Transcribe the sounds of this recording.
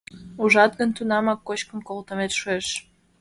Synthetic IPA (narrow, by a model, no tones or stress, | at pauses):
uʒɑt̪ɡənt̪unɑmɑkːot͡ɕkə̆mkolt̪ə̆met̪ʃueʃ